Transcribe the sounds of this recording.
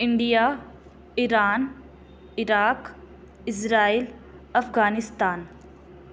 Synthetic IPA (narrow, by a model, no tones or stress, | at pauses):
ɪɳɖijaː | iɾaːn | ɪɾaːk | ɪs̬ɾaːiːl | ɐfɡaːnɪst̪aːn